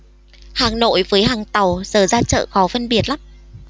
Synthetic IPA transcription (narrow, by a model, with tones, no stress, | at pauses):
haː˨˩ŋno̰˧˨jvəː˨˦jɦaː˨˩ŋt̪a˨˩wz̥əː˨˩zaː˧t͡ɕə̰ː˧˨xɔ˨˦fə˧nɓi˨˩ət̚laː˨˦m